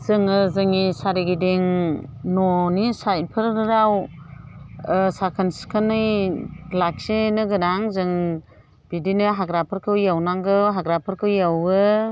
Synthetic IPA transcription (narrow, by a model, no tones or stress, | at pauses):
z̥ɯŋɯzɯŋisaɾiɡideŋnɔnisajpʰɯɾɾaw | sakʰɯnskʰɯnɯjlak̚senɯɡɯnaŋzɯŋ | b̥idinɯɦaɡɾapʰɯɾkʰɯwjawnaŋɡɯɦaɡɾapʰɯɾkʰɯwjawɯ